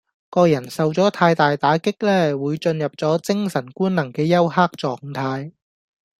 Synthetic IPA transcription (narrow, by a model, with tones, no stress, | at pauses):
kɔː˧jɐ˨˩nsɐ˨wt͡sɔː˨˥t̪ʰaː˧jt̪aː˨jt̪aː˨˥kɪ˥k̚lɛː˥wuː˨˧jt͡sɵ˧njɐ˨p̚t͡sɔː˨˥t͡sɪ˥ŋsɐ˨˩nkuː˥nnɐ˨˩ŋkɛː˧jɐ˥whaː˥k̚t͡sɔː˨ŋt̪ʰaː˧j